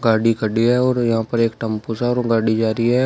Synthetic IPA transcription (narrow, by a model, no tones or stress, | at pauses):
ɡaːɽikəɖiɦɛɔːɾjɐɦãpɐɾeːkʈɐmpusɛɔːɾɡaːɽid͡ʒaːɾiɦɛ